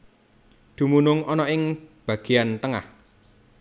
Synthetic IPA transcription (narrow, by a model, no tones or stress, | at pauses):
d̪̥ṳmunʊŋʔɔnɔɪŋb̥ä̤ɡ̥e̤ant̪əŋa̰h